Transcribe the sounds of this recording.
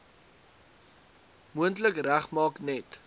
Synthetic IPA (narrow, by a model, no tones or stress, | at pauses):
muəntləkræχmɑːknɛt